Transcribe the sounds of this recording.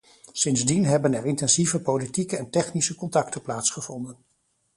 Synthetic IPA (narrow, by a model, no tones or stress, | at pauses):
sɪnzdinɦɛbənɛɹɪntɛnzivəpolitikəɛntɛχnisəkɔntɑktəplaːtsχəv̥ɔndən